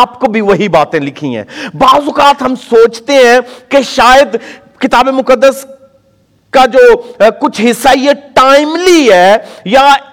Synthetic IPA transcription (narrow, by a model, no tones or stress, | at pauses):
pkobʱiʋɐɦibaːt̪ẽlɪkʰĩɦɛ̰̃ːbaːzʊkaːt̪ɦɐmsoːt͡ʃt̪eɦɛ̃keʃaːjəd̪ | kɪt̪aːbemʊkəd̪ːəs | kad͡ʒoːkʊt͡ʃʰɦɪsːaijeʈaːɪmliɦɛːja